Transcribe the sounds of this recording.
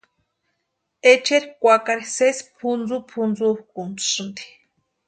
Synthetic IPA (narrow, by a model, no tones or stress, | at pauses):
et͡ʃeɾikʷakaɾisespʰund͡zupʰund͡zuhkunt͡su̥sɨnd̪i̥